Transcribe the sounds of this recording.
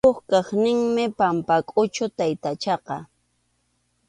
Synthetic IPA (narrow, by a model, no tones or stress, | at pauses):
oχkɑχnɪŋmɪpampakʼʊt͡ʃʊt̪ajt̪at͡ʃɑqɑ